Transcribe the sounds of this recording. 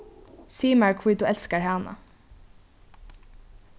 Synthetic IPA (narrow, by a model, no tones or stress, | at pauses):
siːmæɹkʰvuːd̪uːʔɛlskaɹhɑːna̰